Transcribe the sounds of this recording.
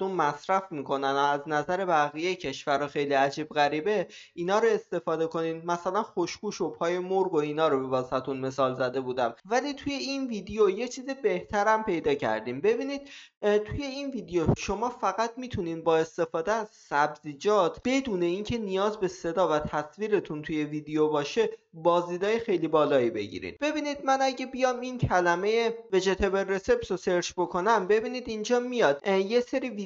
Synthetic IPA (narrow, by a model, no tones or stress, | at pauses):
umːæsɾæfmiːkʰo̞nænoæznæzæɾe̞bæɣijejcʰe̞ʃvæɾɒxe̞jliːæd͡ʒiːbɣæɾiːbe̞ | iːnɒːɾoe̞st̪e̞fɒːd̪e̞ko̞niːd̪mæsælænxo̞ʃkuːʃo̞pʰɒːje̞moɾɡo̞iːnɒːɾobe̞vɒzhæt̪ʰunme̞sɒːlzæd̪e̞buːd̪æmvæliːt̪ʰuje̞inviːd̪ejoje̞t͡ʃʰiːzibe̞ht̪ʰæɾæmpe̞jd̪ɒːcʰæ̰ɾd̪iːmbe̞biːniːd̪̥̚ | t̪ʰuje̞inviːd̪ejoʃo̞mɒːfæɣæt̪ʰmiːt̪ʰuniːnbɒːest̪e̞fɒːd̪eæz̥sæbziːd͡ʒɒːt̪ʰb̥e̞d̪uːne̞iːncʰe̞nijɒːzbe̞se̞d̪ɒːvæt̪ʰæsviːɾe̞t̪ʰunt̪ʰuje̞vid̪ejobɒːʃe̞bɒːziːd̪ɒːjexe̞jliːbɒːlɒːibe̞̰ɟḭɾḭnb̥e̞biːniːd̪̚mænæɟebijɒːmincʰælæme̞jeve̞d͡ʒe̞t̪ʰebere̞se̞psose̞ɾt͡ʃbo̞kʰo̞næmbe̞biːniːd̪ind͡ʒɒːmijɒːd̪je̞se̞ɾiːvi